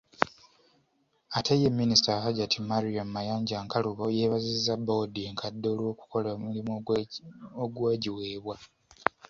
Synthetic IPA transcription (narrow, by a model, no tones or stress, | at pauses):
atʰejemːinistaɦaɟatʰimaɾiommajaːɲɟaːŋkaluβo̞je̞ːβazizabodieŋkʰadːo̞ːlwo̞ːku̥ko̞lomulim | oɡwaːɟiwe̞ːβwa